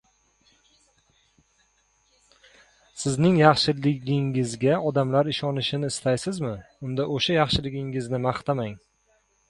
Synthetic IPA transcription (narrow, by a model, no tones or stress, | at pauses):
sɪznɪŋjɑχʃɪlɪɡʲɪŋɪzɡʲaɒd̪amlaɾɪʃɒnɪʃɪnɪːst̪ʰajsɪzmɪʊnd̪aʔoʃajɑχʃɪlɪɡʲɪŋɪznɪmɑχt̪ʰamaŋ